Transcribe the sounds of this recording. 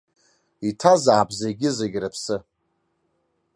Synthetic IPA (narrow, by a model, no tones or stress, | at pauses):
itʰazaːbzeɡʲɪzeɡʲrapʰsɨ